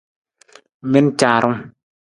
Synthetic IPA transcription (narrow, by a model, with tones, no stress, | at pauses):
me˦nt͡ʃaː˨ɾɔ˦ŋ